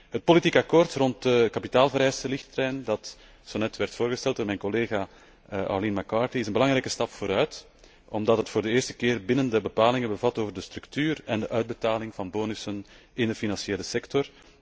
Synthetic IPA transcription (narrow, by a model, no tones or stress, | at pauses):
ɦət̚politikɑkoːrtrɔnt̚dəkɑpitaːlˠvəɾɛːsəlɪxtrɛjndɑt | soːnɛtʋɛrtfoːrɣəstɛlˠt̚d̥oːɾmɛːjnkɔleːɣaː | ʔa̰linmakɑːɹtiɪsənbəlɑŋɾɛːkəstɑpfoːɾœːt | ɔmdɑtɦətfoːrdəɪːrstə̥keːrbɪnəndəbəpaːlɪŋənbəvɑtoːvərdəstɾʉktyːrɛndəʔœɥd̚bətaːlɪŋvɑnboːnʏsən | ɪndəfinɑnsjeːləsɛktɔr